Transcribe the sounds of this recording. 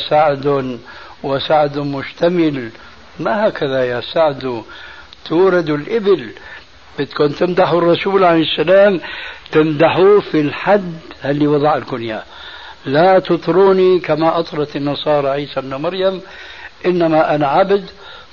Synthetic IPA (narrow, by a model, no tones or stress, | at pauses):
saʕd̪ʊn | wasaʕd̪ʊmʊʃt̪amɪl | mahaːkaðajasaʕd̪u | t̪ʰuːɾɑd̪ʊlʔɪbɪl | b̥ɪt̪kuːnt̪ɪmd̪aħrˤːɑsuːlʕalejɪsːalaːmt̪ɪmd̪aħufilħad̪ːhalːiwɑðˤɑʕalkʊnja | lat̪ɨt̪ˤɾuːnikamaʔɑt̪ˤɾˤɑt̪ɪnːɑsˤɑːɾˤɑʕiːsabnamɑɾjamʔɪnːamaʔanaʕabd̪